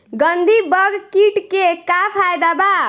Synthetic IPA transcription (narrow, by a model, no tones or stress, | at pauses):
ɡənd̪ʱibəɡkiʈkekapʰajd̪aba